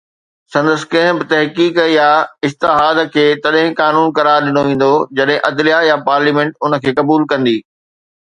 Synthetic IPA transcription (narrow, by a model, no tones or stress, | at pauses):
sɐ̃nd̪əsɪ̥̆kɐ̃ɦɪ̃bɪt̪ɐɦkiːkjaɪst̪ɪɦaːd̪kʰeːt̪ɐɗɦɪ̃kaːnuːnkɐɾaːɾɗɪnoʋẽːn̆d̪od͡ʑɐɗɦɪ̃ʔɐd̪lijajapaːɾliːmẽɳʈʊnə̆kʰeːkɐbuːlkɐ̃nd̪iː